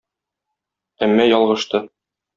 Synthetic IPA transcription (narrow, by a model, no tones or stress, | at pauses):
æmːæjɒlˠʁɤ̆ʃt̪ɤ